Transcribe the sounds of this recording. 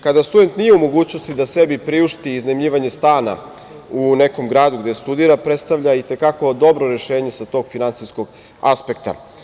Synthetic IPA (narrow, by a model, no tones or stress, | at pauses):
kad̪ast̪ud̪e̞nt̪nijeumo̞ɡuːt͡ɕnost̪id̪ase̞bipɾiuʃt̪iːznemʎiːʋaɲe̞st̪aːna̰ | une̞ko̞mɡɾaːd̪uɡd̪est̪ud̪iɾapɾet̪st̪aʋvʎait̪e̞kako̞d̪o̞bɾoɾe̞ʃeːɲe̞sat̪o̞ːɡfinant̪siskoɡ | a̰spe̞kt̪a̰